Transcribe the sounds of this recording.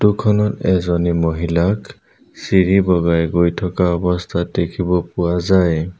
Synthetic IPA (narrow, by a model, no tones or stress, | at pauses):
tukʰɔnɔtɛzɔnimoɦilak | siɹibɔɡajɡojtʰɔkaɔbɔstʰatekʰibɔpʊwazaj